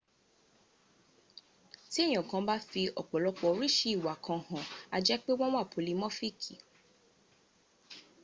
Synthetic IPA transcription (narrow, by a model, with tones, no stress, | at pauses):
ti˦e˦˨j̃ɔ̃˨kã˧ba˦fi˧ʔɔ˨k͡pɔ˨lɔ˧k͡pɔ˧˦ɾi˦ʃi˧˦i˦˨wa˨kʰã˧hã˨a˧d͡ʒɛ˦k͡pe˦wɔ̃˦w̃a˦˨pʰo˨li˨˦mɔ̃˦fi˦kʰi˨